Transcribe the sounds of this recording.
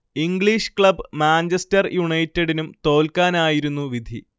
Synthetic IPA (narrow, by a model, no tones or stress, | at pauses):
iŋɡɭiʂkɭɐbɨmaːɲt͡ɕɐstɐrjuɳɐjtːeɽinumt̪o̞ːlkaːnaːjiɾunːuʋid̪ʱi